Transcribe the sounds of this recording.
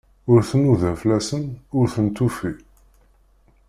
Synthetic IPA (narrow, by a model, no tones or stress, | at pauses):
ʊɾθnuðəflæsənʊɾθənt̪ufi